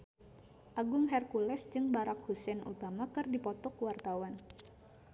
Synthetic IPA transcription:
ʔaɡʊŋɦɛrkulɛsd͡ʒɨŋbaɾak̚husɛnṵt̪amakɨrdipɔt̪ɔkəwart̪awan

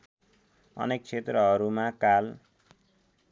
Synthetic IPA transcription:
ʌ̰nek̚t͡sʰet̪rʌʌɾumakal

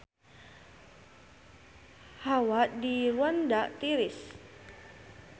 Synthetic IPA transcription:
hawaʔdiɾuandaʔt̪iɾɪs

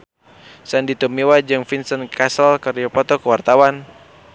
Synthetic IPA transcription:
sandit̪ɔmiwad͡ʒɨŋfinsənkasəlkəriɔpɔt̪ɔkəwart̪awan

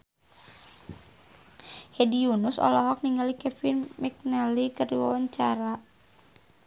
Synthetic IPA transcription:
hɛdiunusɔ̰lɔɦɔk̚niŋɡalikɛfinmɛk̚nalikəriwa̰waɲt͡ʃaɾa

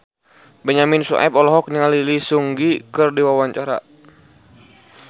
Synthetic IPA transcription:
bɛɲaminsṵʔɛpɔlɔɦɔk̚ɲiŋalilisuŋɡikɨrdiwawaɲt͡ʃaɾa̰

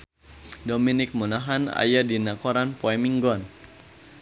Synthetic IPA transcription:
dominɪk̚munaɦana̰jadinakɔɾanpoɛmiŋɡɔn

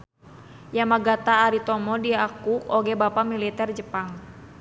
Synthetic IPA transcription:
jamaɡat̪aːɾit̪ɔmɔdiakukoɡɛbapamilit̪ɛrd͡ʒəpaŋ

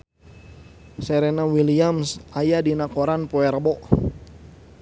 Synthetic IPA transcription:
sɛɾɛnawiliamsajadinakɔɾanpɔɛrbɔʔ

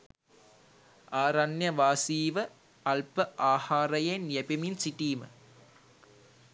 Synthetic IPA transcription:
aːɾɐnjɐʋaːsiːʋə | ɐlpəʔaːhaːɾɐjenjepiminsiʈiːmə̰

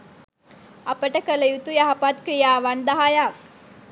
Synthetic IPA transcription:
ɐpɐʈɐkɐlɐjut̪ujaɦapat̪kɾijaːʋand̪ɐɦajaː

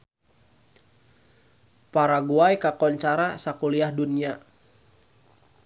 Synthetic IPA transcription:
paɾaɡuajkakɔɲt͡ʃaɾasakuliahdunia

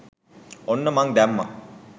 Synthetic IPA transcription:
onːəmaŋd̪æmːa̰

